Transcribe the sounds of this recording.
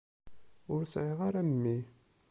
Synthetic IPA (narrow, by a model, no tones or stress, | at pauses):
ʊɾsʕiʁaɾæmːi